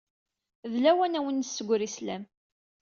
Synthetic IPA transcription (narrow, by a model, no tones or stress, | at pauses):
ðlæwænæwənːsːəɡʷɾislæ̰m